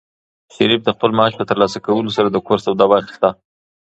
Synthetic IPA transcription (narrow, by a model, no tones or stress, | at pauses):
ʃaɾip̚d̪əxpəlmaɑʃpət̪əɾlɑsakawəlosaɾad̪əkoɾsawd̪ɑbɑxst̪a